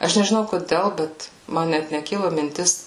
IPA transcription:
ˈɐʃ nʲɛʒʲɪˈnɐʊ koːˈdʲɛlˠ ˈbʲɛt ˈmɐn nʲɛt nʲɛˈkʲɪlˠʊ mʲɪnʲˈtʲɪs

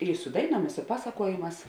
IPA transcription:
ɪ sʊ ˈdɐɪˌnuɔm ɪ sʊ ˈpɑːsɐkuɔjeːˌmɑːs

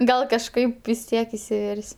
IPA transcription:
ˈɡɐlˠ kɐʃˈkɐɪp ʋʲɪs ˈtʲiɛk ɪsʲɪˈʋʲɛrʲsʲ

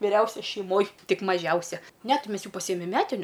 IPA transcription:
ʋʲɪˈrʲɛʊsʲɛ ʃʲɛɪˈmoːj ˈtʲɪk mɐˈʒʲɛʊsʲɛ ˈnʲɛ ˈtʲɪ ˈmʲɛs ˈjuː pɐˈsʲiːjɛmʲɛm ˈmʲæːtʲɪnʲʊ

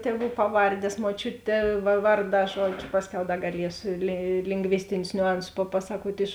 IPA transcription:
tʲɛˈʋuː ˈpɑːˌʋɐrʲdʲeːs muɔˈt͡ʃʲʊtʲeː ʋɐ ˈʋɐrˌdɑː ˈʒuɔd͡ʒʲʊ ˈpɑːsʲˌkʲɛʊ ˈdɐ ɡɐˈlʲiɛsʊ lʲɪ lʲɪŋɡˈʋʲɪsʲtʲɪnʲʊs nʲʊˈɐnsʊs pɐˈpɑːsɐkuɔtʲ ɪʃ

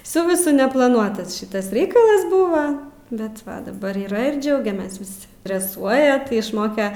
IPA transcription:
ˈsʊ ʋʲɪˈsʊ nʲɛplˠɐˈnuɔtɐsʲˈʃʲɪtɐs ˈrʲɛɪkɐlˠɐs ˈbʊʋɐ ˈbʲɛt dɐˈbɐr iːˈrɐ ɪr ˈd͡ʒʲɛʊɡʲɛmʲeːs ˈʋʲɪs dʲrʲɛˈsuɔjɛ tʲɪ ɪʃˈmoːkʲɛ

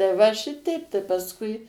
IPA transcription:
tɐɪ ˈʋɐ ˈʃʲɪtʲɛɪp tɐɪ pɐsˈkʊɪ

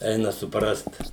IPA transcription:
ˈɛɪnɐ sʊˈprɐst

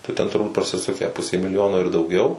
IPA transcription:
tɐɪ ˈtʲɛn tʊrˈbuːt prɐsʲɪˈsʊkʲæː pʊsʲeː mʲɪlʲɪˈjoːnoː ɪr dɐʊˈɡʲɛʊ

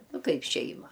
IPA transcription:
ˈnʊ ˈkɐɪp ˈʃʲɛɪmɐ

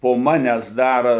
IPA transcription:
poː ˈmɑːnʲæːs ˈdɐr

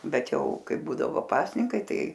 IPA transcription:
ˈbʲɛt ˈjɛʊ ˈkɐɪ ˈbuːdɐʋoː ˈpɑːsʲnʲɪŋkɐɪ ˈtɐɪ

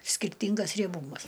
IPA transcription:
sʲkʲɪrʲˈtʲiːŋɡɐs rʲiɛˈbuːmɐs

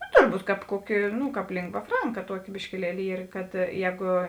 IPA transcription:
nʊ tʊrˈbuːt ˈkɑːp ˈkuɔˌkʲɪ ˈnʊ ˈkɑːp ˈlʲɪŋɡʋɐ ˈfrɐŋkɐ ˈtuɔˌkʲɪ bʲɪʃʲkʲɪˈlʲiɛlʲɪ ˈiːr kɐt ˈjɛːɡʊ

